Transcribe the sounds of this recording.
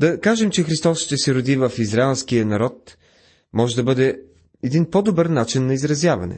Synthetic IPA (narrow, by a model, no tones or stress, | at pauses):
d̪ɐkaʒɛmt͡ʃɛxɾist̪ɔsʃt̪ɛsɛɾʊd̪ivəfizɾaɛlˠskijənɐɾɔt̪ | mɔʒɛd̪ɐbɤd̪ɛ | ɛd̪inpod̪obɤɾnat͡ʃinːɐizɾɐzjavɐ̰nɛ̰